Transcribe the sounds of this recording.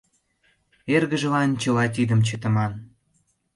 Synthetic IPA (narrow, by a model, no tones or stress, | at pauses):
erɣəʒə̆lɑnt͡ɕə̆lɑt̪̬id̪ə̆mt͡ɕə̆t̪ə̆mɑn